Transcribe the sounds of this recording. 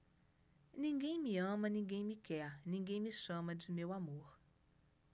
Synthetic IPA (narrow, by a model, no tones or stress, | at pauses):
nĩŋɡẽj̃miɐ̃mɐnĩŋɡẽj̃mikɛɾnĩŋɡẽj̃miʃɐ̃mɐd͡ʒimewamoɾ